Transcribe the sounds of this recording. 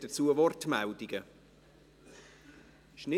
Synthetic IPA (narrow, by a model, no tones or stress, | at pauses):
d̥ət͡suəvɔrtmaldiɡə | ʃnɪ